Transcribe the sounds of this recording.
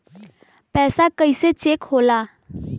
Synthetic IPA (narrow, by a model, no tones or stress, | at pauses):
pɛːsakəiset͡ʃeːkhoːlaː